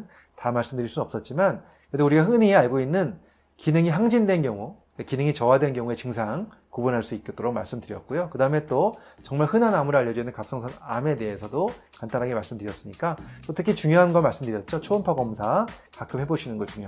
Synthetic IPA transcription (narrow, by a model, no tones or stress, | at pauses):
tamaɭs͈ɯmdɯɾiɭs͈uʌps͈ʌt̚t͡ɕ͈iman | kɯedouɾiɡaɦɯnieaɭɡoinːɯn | kinɯŋiɦaŋd͡ʑindwe̞nkjʌŋu | ekinɯŋit͡ɕʌwadwenkjʌŋue̞t͡ɕɯŋsʰaŋ | kubunɦaɭs͈uit̚k͈et͈oɾok̚ma̰ɭs͈ɯmdɯɾjʌt̚k͈ojokɯdaɯme̞t͈o | t͡ɕʌŋmaɭhɯnanamuɾaʎːʌd͡ʑinɯnkap̚s͈ʌŋsʰaname̞de̞ɦesʰʌdokant͈ʰanɦaɡemaɭs͈ɯmdɯɾijʌs͈ɯɲik͈at͈otʰɯkʰit͡ɕuŋjoɦanɡʌmaɭs͈ɯmdɯɾjʌt̚t͡ɕ͈ot͡ɕʰoːnpʰaɡʌmsʰakakʰɯmhe̞boɕʰinɯnɡʌt͡ɕuŋjo